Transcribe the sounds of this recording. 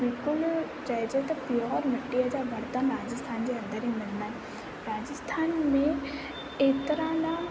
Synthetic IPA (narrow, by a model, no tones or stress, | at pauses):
bɪlkʊl | d͡ʒaːɦed͡ʒet̪ɐpiɔːɾmɐʈːiad͡ʒabʱɐɽt̪anɾaːd͡ʒəst̪ʰaːnd͡ʒeɐ̃nd̪əɾɦɛ̃mɐnːaː | ɾaːd͡ʒəst̪ʰaːnmẽ | eːt̪ɾanaːm